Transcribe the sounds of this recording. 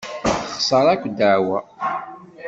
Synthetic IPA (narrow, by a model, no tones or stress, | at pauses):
θχsˤəɾˤækʷd̪əʕwæ